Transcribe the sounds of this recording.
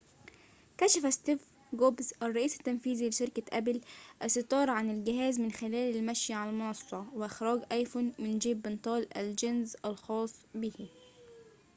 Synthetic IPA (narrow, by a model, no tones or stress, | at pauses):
kæʃæfæst̪iːf | ɡoːbzʔærˤːɑʔiːsɪ̥t̪ːænfiːzilɪʃɪɾkæʔæblʔæsɪt̪ˤɑːɾˤʕanɪlɡɪɦæːzmɪnxɪlæːlɪlmæʃjaʕalmʊnɑsˤːɑwɪʔɪxɾɑːɡʔɑjfuːnmɪnd͡ʒiːbːɪnt̪ˤɑːlʔæld͡ʒɪnzælxɑːsˤbihɪ